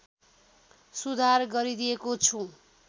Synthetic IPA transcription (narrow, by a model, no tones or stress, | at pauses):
sud̪ʱarɡʌɾid̪ijekot͡sʰũ